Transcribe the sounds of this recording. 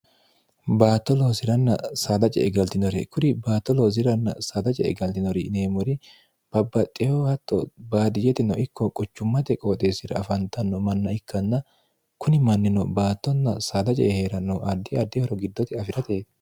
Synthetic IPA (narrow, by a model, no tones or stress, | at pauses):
baːt̪ːɔloːsɪɾɐnːɐ̰saːd̪ɐt͡ʃʼɛ̰ʔɛɡɐlt̪ɪnɔɾɛkʊɾɪbaːt̪ːɔloːs̬ɪɾɐnːɐ̰saːd̪ɐt͡ʃʼɛ̰ɛ̰ɡɐlt̪ɪnɔɾɪneːmɔɾɪ | b̥ɐbːɐt̪ʼɪjohɐt̪ːɔ̰baːd̪ɪjɛt̪ɪnɔʔɪkːɔkʼɔt͡ʃːʊmːɐt̪ɛkʼoːt̪ʼe̞ːsɪɾɐ̰ːfɐnt̪ɐnːɔmɐnːɐɪkːɐnːɐ | kʰʊnɪmɐnːɪnɔbaːt̪ːɔnːɐsaːd̪ɐt͡ʃʼɛ̰heːɾɐnːɔʔɐd̪ːɪɐd̪ːɪhɔɾɔɡɪd̪ːɔt̪ɪɐfɪɾɐt̪eːd̪